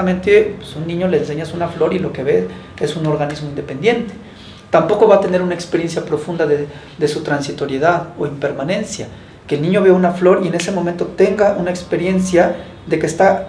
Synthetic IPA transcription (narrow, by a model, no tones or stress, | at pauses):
ament̪epwesunːĩɲo̞le̞ːns̬e̞ɲaesunaflo̞ɾilo̞ke̞βe̞ | esuno̞ɾɣanizmoind̪e̞pe̞nd̪je̞nt̪e̥ | t̪ampo̞ko̞βat̪ene̞ɾunaekspe̞ɾje̞nsjapɾo̞fund̪aðe | ðe̞sut̪ɾansit̪o̞ɾje̞ðaðo̞impe̞ɾmanẽ̞nsja | keːlnĩɲo̞βe̞aunaflo̞ɾiene̞se̞momẽnt̪ot̪e̞ŋɡaʔunaekspe̞ɾje̞nsja | ðe̞kest̪a